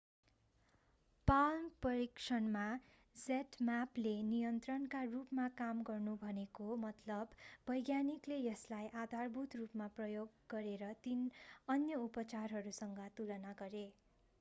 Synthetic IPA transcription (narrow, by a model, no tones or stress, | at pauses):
palmpʌɾiksʰʌnma | d͡zeʈmaplenijʌnt̪rʌnkarupmakamɡʌrnubʱʌnekomʌt̪lʌbːʌjɡjaniklejʌslajʔad̪ʱarbʱut̪rupmaprʌjoɡːʌɾeɾʌt̪inʌnjʌupʌt͡sarɦʌɾusʌŋɡʌt̪ulʌnaɡʌɾe